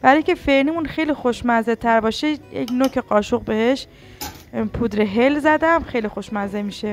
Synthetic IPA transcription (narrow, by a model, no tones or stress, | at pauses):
b̥æɾɒjŋkʲʰe̞fenimunxe̞jlixoʃmæzet̪ʰæɾbɒːʃejḛcnocʰeɢɒːʃoɣbe̞heʃ | pʰud̪ɾeɦelzæd̪æmxe̞jlixoʃmæzemiːʃe